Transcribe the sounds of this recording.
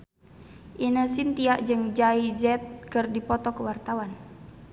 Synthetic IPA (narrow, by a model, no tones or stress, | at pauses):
ʔinəsint̪iaʔd͡ʒɨŋd͡ʒaid͡ʒɛt̪̚kɨrdipɔt̪ɔkəwart̪awan